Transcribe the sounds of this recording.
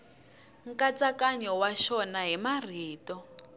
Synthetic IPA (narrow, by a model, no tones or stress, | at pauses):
ŋ̩kat͡sakaɲɔwaʃɔnaɦimar̤iːtɔ